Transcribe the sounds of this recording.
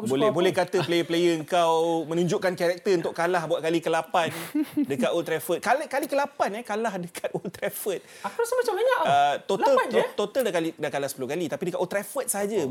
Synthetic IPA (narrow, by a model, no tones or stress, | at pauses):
bolɛbolɛhkat̪əplejəplejəəŋkawmə̃nũɲd͡ʒʊʔkankaɾɛk̚t̪əunt̪ʊʔkalahbuat̪̚kalikəlapandəkat̪olt̪ɾɛfət̪̚kaləkalikəlapanɛkalahdəkʰat̪̚olt̪ɾɛfət̪̚ | akusəmat͡ʃambaɲaʔət̪ot̪alant̪ot̪aldakalidakalahsəpulʊhkalit̪apidəkat̪ʔot̪ɾafət̪̚səɦad͡ʒa